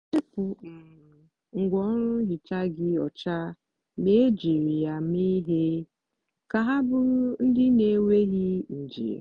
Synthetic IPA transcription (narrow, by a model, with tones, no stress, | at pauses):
t͡ʃɪ˦pʊ˨m̩˨ | ŋ̩˨ɡʷɔ˦ɾʊ˦ɦi˨t͡ʃa˦ɡɪ˦ɔ̰˨t͡ʃa˦ | me˦d͡ʒi˨ɾi˨ja˨m˦i˦ɦe˦ | ka˨ɦa˦bʊ˦n̩˦dɪ˦ne˨˦we˦ɣi˦n̩˨d͡ʒḭ˨ḛ˨